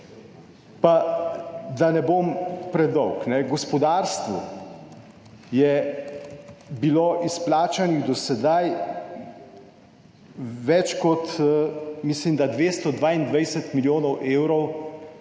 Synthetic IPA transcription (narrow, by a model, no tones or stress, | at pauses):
pa | d̪anɛboːmpɾɛd̪ɔwknɛɡɔspɔd̪aːɾst̪ʋṵ | jɛ | biloʔisplaːt͡ʃaniɣd̪ɔsɛd̪aj | ʋɛt͡ʃkɔt̪ | mislimd̪ad̪ʋeːst̪ɔd̪ʋaːind̪ʋajsɛt̪miljoːnɔwʔeːwɾɔw